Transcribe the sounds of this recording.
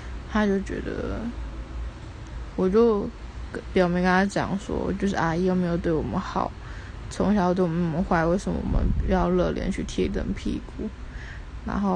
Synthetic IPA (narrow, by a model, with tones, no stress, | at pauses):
t̪ʰa˥t͡ɕjo˥˩ʊt͡ɕɥɛ̰˧˥d̪ə̰˧ | wɔ˨˩t͡ɕjo˥˩ʊ | pjɑ˨˩mi˧˥ŋkə˥nt̪ʰa˥t͡ɕjɑ̰˨˩ŋswɔ̰˥˨˩t͡ɕjo˥˧ʊʂ̬ɻ̩˥˩a˥˧˩i˧˥jo˥˩me˧˥ɪjo˨˩ʊt̪we˥˩ɪwɔ˨˩mə˦nxɑ˨˩˦ʊ | t͡sʰʊ˧˥ŋɕjɑ˨˧˥t̪we˥˩ɪwɔ˩˨˩mə˧˦nxwa˥˧ɪwe˥˩ɪʂə˨˩mə˧wɔ̰˨˩mə̰˧˦njɑ˥˧ʊlɤ˥˩ljʔɛ̰˧˥nt͡ɕʰy˥˩t̪ʰḭ˥˧t̪ə̰˧˩ŋpʰḭ˥˧ku˥˩˦ | na̰˧˥nxo˥˩ʊ